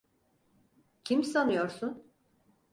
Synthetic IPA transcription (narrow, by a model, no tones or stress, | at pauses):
cʰimsanɯjo̞ɾsun